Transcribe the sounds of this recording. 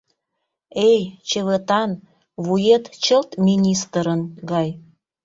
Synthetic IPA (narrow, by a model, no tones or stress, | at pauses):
ejt͡ɕeβet̪ɑn | βujet̪t͡ɕəlt̪mʲinʲist̪əɾənɡɑj